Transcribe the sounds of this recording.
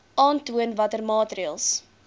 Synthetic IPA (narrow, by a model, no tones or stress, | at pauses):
ɑːntuənvɐtərmɑːtriəlˠs